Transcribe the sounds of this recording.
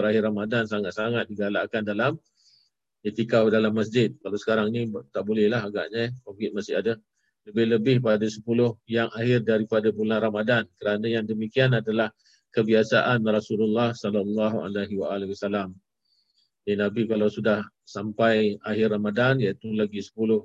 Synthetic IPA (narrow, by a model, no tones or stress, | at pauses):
ɾaɦɪramadansaŋat̪̚saŋat̪̚diɡalakandalam | jat̪ikawdalamːas̬d͡ʒɪt̪̚kalawsə̥kaɾaŋnĩt̪aʔbolɛhlaɦaɡa̰ʔɲakokɪt̪̚masɪ̰hada | ləbɪhləbɪhpadasə̥pulʊhjaŋaɦɪrdaɾipadabulanramadankəɾanəjaŋdəmikianadalah | kəbiasa̰ʔanrasululːɑhsɔlalːɑɦua̰laɦiwa̰alɛhwasalam | dinabikalawsudah | sampajaɦɪramadanjait̪ulaɡisə̥pulʊh